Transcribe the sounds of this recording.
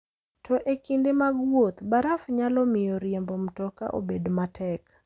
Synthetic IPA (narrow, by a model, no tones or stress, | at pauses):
tʰɔʔekindemaɡwot̪baɾafɲalɔmɪjɔɾjembɔm̩tɔka̰ʔo̰bedmatʰɛk